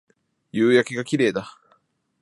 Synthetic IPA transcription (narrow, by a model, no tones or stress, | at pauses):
jɯːjakʲeɡakʲiɾe̞ːd̪a